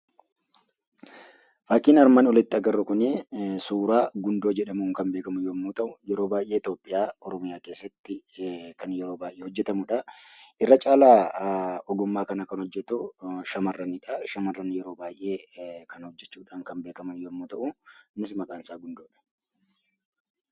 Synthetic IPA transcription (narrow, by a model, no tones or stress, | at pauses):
faːkiːnɐɾmaːnɔlɪt̪ːɪɐɡɐrːʊkʊnɪsuːɾaːɡʊnd̪o̞ːd͡ʒɛᶑɐmʊŋkɐnbeːkɐmɐnjoːmːuːt̪ɐʔʊjɛɾo̞ːbaːjʔe̞ːɪt̪joːpʼːɪjaːɔɾɔmɪjaːke̞ːsːɐt̪ːɪkɐnjɛɾo̞ːbaːjʔːeːhɔd͡ʒːɛt̪ɐmʊᶑɐʔɪrːɐt͡ʃʼaːlaː | ɔɡʊmːaːkɐnɐkɐnhɔd͡ʒːɛt̪ʊʃɐmɐrːɐnɪᶑɐʃɐmɐrːɐnjɛɾo̞ːbaːjʔe̞ːkɐnhɔd͡ʒːɛt͡ʃːuːᶑaːnkɐmbe̞ːkɐmɐnjoːmːoːt̪ɐʔʊnɪs̬mɐkʼaːnsaːɡʊnd̪oːᶑɐ̥